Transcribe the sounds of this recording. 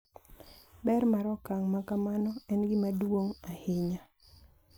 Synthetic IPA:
bɛrmaɾɔkaŋmakamanɔɛnɡɪmadwoŋahɪɲa

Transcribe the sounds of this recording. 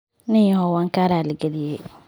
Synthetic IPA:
nɪhɔwaːŋkaːɾaːlɐɡɐlɪjɛj

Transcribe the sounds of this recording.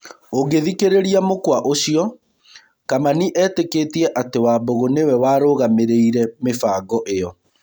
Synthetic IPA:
oɡeðikeɾeɾiamokwaʔoɕiɔ | kamaniʔɛːtekeːtiɛʔatewaːboɣonewɛwaːɾoːɣameɾeiɾɛmefaːɡɔʔejɔ

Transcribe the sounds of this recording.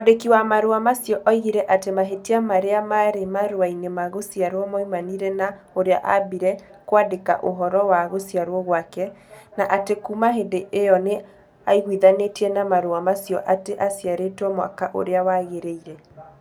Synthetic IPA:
odekiwamaɾoamasjɔʔaiɣiɾɛʔatemaɦetiamaɾeamaɾemaɾoainemaɣosjaɾwɔmɔimaniɾɛna | oɾea̰ʔa̰biɾɛkwadeka̰ʔoɦɔɾɔwaɣosiaɾwɔɣwakɛnaʔatekumaɦedeʔeɔne | aiɣwiðanetiɛnamaɾoamasjɔʔateʔasjaɾetwɔmwa̰kaʔo̰ɾeawaɣeɾeiɾɛ

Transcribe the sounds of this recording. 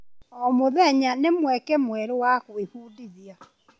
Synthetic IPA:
ɔmoðɛɲanemwɛkɛmwɛɾowakweɸuːdiðia

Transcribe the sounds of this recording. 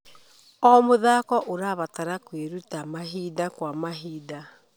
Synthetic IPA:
ɔmoðaːkɔʔoɾaβataɾakweɾutamaɦidakwamaɦiːda

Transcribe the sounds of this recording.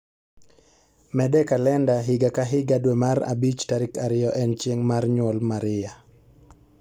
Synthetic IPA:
mɛdɛkalɛndaɦɪɡakaɦɪɡadwɛmaɾa̰bit͡ʃtaɾɪkaɾɪjɔʔɛnt͡ʃjeŋmarɲwɔlmaɾɪja

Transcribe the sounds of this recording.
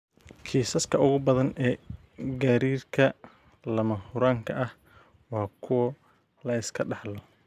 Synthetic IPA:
kʰiːsɐskʰɐʔʊɣʊbɐðɐnɛː | ɡaːɾiːrkʰɐ | lɐmɐhʊɾaːŋkʰɐʔɐh | wɑːkʰʊwɐ | lɐɪskʰɐɖɑħlɔ

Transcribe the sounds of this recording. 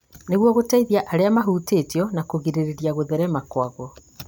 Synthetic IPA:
neɣwɔɣotaiðiaʔaɾeamaɦuːteːtjɔnakoɣiɾeɾeɾjaɣoðɛɾɛmakwaɣwɔ

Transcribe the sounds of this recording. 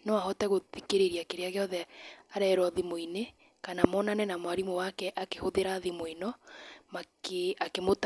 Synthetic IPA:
nowahɔtɛɣoðikeɾeɾiakeɾeaɣeɔðɛaɾɛɾɔðimoine | kanamɔnanɛnamwaɾimowakɛʔakehoðeɾaðimoinɔmakeakemot

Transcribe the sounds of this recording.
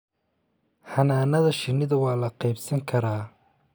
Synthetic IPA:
hɐnaːnɐðɐʃɪnːɪðɐwɑːlɐqɑjbsɐŋkʰɐɾaː

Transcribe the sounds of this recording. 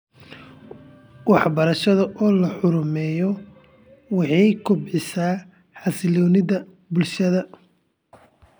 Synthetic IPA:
wɑħbɐɾɐʃɐðɐʔɔːlɐħʊɾʊmɛːjɔ | wɑħɑjkʰʊbʕɪsaː | ħɑsɪlɔːnɪðɐ | bʊlʃɐðɐ

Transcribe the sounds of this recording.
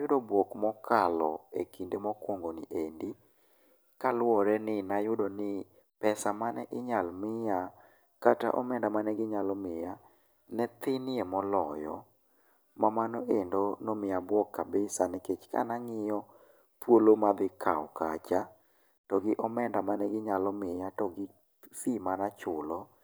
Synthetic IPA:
jʊdɔbwɔkmɔkʰalɔḛkindemɔkwɔŋɡonɪ̰ʔendi | kalɔɾɛnɪnajʊdɔnɪ | pɛsamanɛ̰ʔɪɲalmɪja | kata̰ʔɔmɛndamanɛɡɪɲalɔmɪja | nɛt̪ɪnɪemɔlɔjɔ̰ | mamanɔʔendonɔmɪjabwɔkːabɪsanɛket͡ʃka̰naŋɪjɔ | pwolomad̪ɪkʰa̰ɔka̰t͡ʃa | tɔɡɪʔɔmɛndamanɛɡɪɲalɔmɪjatɔɡɪ | fimanat͡ʃʊlɔ

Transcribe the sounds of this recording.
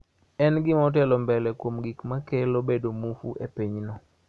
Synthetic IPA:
ɛnɡɪmɔt̬ɛlɔmbɛlɛkwomɡikmakɛlobedomufuʔepiɲnɔ

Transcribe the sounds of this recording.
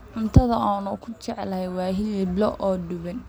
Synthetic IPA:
ʕʊnt̪ʰɐðɐaːnʊkʰʊt͡ʃɛʕlɐhɛjwɑːɦɪlɪblɔ̰ʔɔːɖʊβɛn

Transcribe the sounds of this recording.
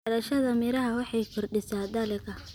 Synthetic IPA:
ɐlɐʃɐðɐmɪɾɐɦɐwɑħɑjkʰʊrɖɪsaːd̪ɐlɪkʰɐ

